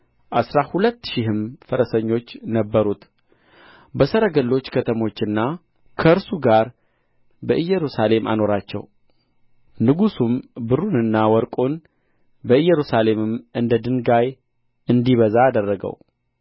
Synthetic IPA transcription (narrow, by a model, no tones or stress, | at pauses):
ʔasɾahulət̪ːʃihɨmfəɾəsəɲːo̞t͡ʃːnəbːəɾut̪ | bəsəɾəɡəlːo̞t͡ʃːkʰət̪ʰəmo̞t͡ʃːɨnːa | kʰəɨɾsuɡaɾ | bəʔɨjːɛɾusale̞mʔa̰no̞ɾat͡ʃːɛ̰w | nɨɡusumbɨrunɨnːawɔɾkʼon | bəɨjːɛɾusale̞mɨmɨnd̪əd̪ɨnɡaj | ɨnd̪iβəzaːd̪ərːəɡə̰w